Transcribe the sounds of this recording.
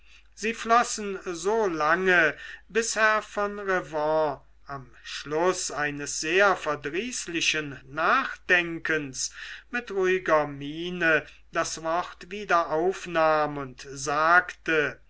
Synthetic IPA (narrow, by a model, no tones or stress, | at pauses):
z̥iːflɔsn̩zoːlaŋəbɪsheɐfɔnʁɛvɑ̃ | ʔam | ʃlʊsaɪnəsz̥eːɐfɛɐdʁiːslɪʃənːaːχd̥ɛŋkənsmɪtʁuɪɡɐmiːnə | d̥asv̥ɔʁtv̥iːdɐʔaʊfnaːmʊntzaːktə